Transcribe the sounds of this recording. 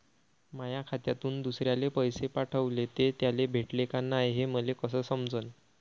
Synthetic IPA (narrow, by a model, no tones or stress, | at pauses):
majakʰat̪jat̪uːnd̪usɾjalepəjsepaʈʰəʋlet̪et̪jalebʱeʈlekanːajɦeməlekəsəːsəmd͡zən